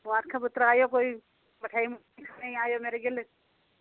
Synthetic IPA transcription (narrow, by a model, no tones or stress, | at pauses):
mʊãːt̪kʰabʊt̪ɾaːjokoːi | bɐʈʰaːim | ĩkʰaːneɦĩaːjomeːɾeɡɪl